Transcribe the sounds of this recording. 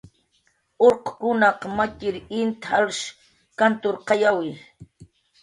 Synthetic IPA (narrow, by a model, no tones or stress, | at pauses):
oɾqkʊnɑqmakɪɾɪnt̪alʃ | kant̪ʊɾqɑjawɪ